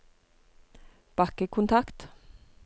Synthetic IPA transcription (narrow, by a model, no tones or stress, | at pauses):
b̥ɑkəkʰʊnt̪ʰɑkt̪